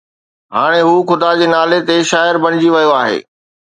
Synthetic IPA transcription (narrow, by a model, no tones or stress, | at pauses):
ɦaːɽ̃eɦuːxʊd̪ad͡ʑeːnaːlet̪eʃaːɪɾbɐɽ̃ɪd͡ʑiʋɐjoaːɦḛː